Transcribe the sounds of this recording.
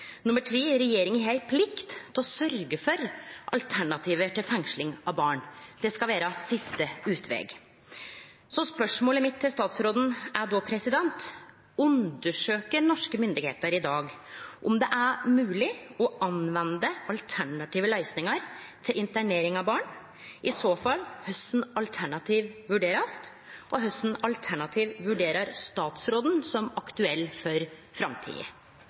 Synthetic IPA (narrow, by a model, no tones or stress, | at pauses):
nʊmːəʈʰɾiːɾɛjeːɾɪŋəɦæɪpʰlɪkt̪t̪ʰɔsœɾɡəfɔɾʔɑlt̪ʰæɳɑt̪ʰiːʋət̪ʰɪlfɛŋʂlɪŋɑʋbɑːɳd̪̥ɛskɑlʋæːɾəsɪst̪əʉːt̪ʰʋɛ̰ːɡ | sɔspœʂmoːləmɪt̪ʰːɪlst̪ɑːt̪sɾoːd̪n̩æɖopʰɾɛsɪd̪ɛnt̪ | ʉnd̪əʂøːkəɾnɔʂkəmʏnd̪ɪɡhḛːt̪əɾɪd̪ɑːɡʔʊmd̪ɛʔæɾmʉːlɪɔʔɑnʋɛnd̪əɑlt̪ʰæɳɑt̪ʰiːʋəlæɪsnɪŋɑɾt̪ʰɪlɪnt̪æɳeːɾɪŋɑʋbɑːɳ | ʔɪsoːfɑlːhœsn̩ɑlt̪ʰæɳɑt̪ʰiːʋʋʉɖeːɾɑst̪ | ʔɔɦœsn̩ɑlt̪ʰæɳɑt̪ʰiːʋʋʉɖeːɾɑɾst̪ɑːt̪sɾoːd̪n̩sɔmɑkt̪ʉɛlːfɔɾfɾɑmt̪ʰḭːə̰